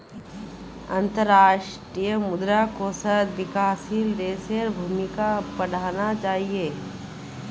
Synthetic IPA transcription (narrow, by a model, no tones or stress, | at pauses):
ɐ̃nt̪əɾaːʃʈɾijəmʊd̪ɾakosət̪ʋɪkaːsild̪eːseɾbʱuːmɪkapɐɽ̤aːnat͡ʃaːɦieː